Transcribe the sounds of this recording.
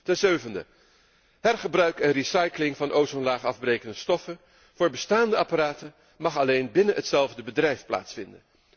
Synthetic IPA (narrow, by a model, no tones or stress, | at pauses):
tɛnzøɥvəndə | ɦɛrχəbrœɥkɛnrisɑjklɪŋvɑnʔowzɔnlaːχɑvbrejkəndəstɔfən | v̥ʊːɹbəstaːndəɑparaːtə | mɑχɑlejnbɪnəɦətsɛlˠvdəbədrɛjfpla̰ːtsfɪndə̰n